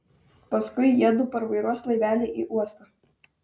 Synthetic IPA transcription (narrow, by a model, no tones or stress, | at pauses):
pɐskʊɪjiɛd̪uːpɐɾʋɐɪɾuɔslˠɐɪʋʲæːlʲeʔiʔuɔst̪ɐ